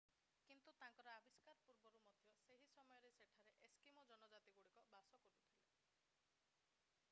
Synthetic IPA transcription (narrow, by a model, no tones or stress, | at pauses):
kint̪ut̪aŋkɔɾɔabiskaɾɔpuɾbɔɾumɔd̪ʱjɔseɦisɔmɔjɔɾeseʈʰaɾeʔeskimɔd͡ʒɔnɔd͡ʒat̪iɡuɽikɔbasɔkoɾut̪ʰile